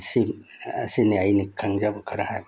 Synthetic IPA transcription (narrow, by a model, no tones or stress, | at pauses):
sia̰siniajnikʰaŋzabɯkʰaɾahaj